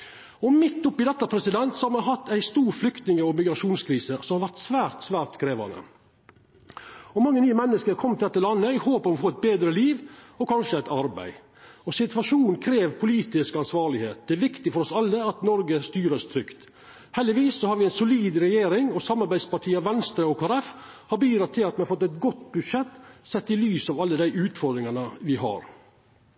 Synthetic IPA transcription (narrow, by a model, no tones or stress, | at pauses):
ɔmɪt̪ːʊpːɪd̪ɛt̪ːɑpʰɾɛsɪd̪ɛnt̪sɔhɑɾmɑnɦɑt̪ːæɪst̪uːɾflʏkt̪nɪŋəɔmɪɡɾɑʂuːnskʰɾiːsəsɔmhɑɾʋæɾt̪sʋæːɾt̪sʋæːɾt̪kʰɾeːʋɑ̰nə̰ | ɔmɑŋːənyːəmɛnːəskəɾkʰɔmːt̪ɪd̪ɛt̪ːəlɑnːəɪhoːpəmɔfoːɪt̪̚beːd̪ɾəliːʋɔkʰɑnʂəæɪt̪ɑɾbæ̰ɪ | ɔsɪt̪ʋɑʂuːn̩kʰɾeːʋpʰʊliːt̪ɪskɑnsʋɑːɭɪheːt̪̚d̪ɛæɾʋɪkt̪ɪfɔɾɔsɑlːəɑt̪nɔɾɡəst̪yːɾəst̪ʰɾʏkt̪ | hɛld̪ɪʋiːsːɔhɑɾʋɪæɪnsʊliːd̪ɾɛjeːɾɪŋɔsɑmːɑɾbæɪspɑʈʰiːəʋɛnst̪ɾəoːkʰːɾɛf | hɑɾbyːd̪ɾɑt̪ʰːɪlɑt̪mɛnɑfɔt̪ːɛɪt̪ɡɔt̪ːbʉd̪ʂɛt̪ːsɛt̪ːɪlyːsɑʋɑlːəd̪æɪʔʉːt̪fɔɾd̪ɾɪŋɑnəʋɪhɑ̰ɾ